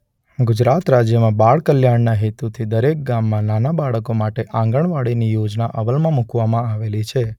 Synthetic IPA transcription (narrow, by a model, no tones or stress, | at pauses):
ɡʊd͡ʒɾat̪ɾad͡ʒjəmãbaɭkəljaɳnaɦet̪ut̪ʰid̪əɾek̚ɡamːãnanabaɭəkomaʈeʔãŋɡəɳʋaɭinijod͡ʒnaʔəʋəlmãmukʋamãaʋelit͡ʃʰe